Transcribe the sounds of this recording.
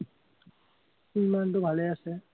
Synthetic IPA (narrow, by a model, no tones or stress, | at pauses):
imantʊbʱalɛasɛ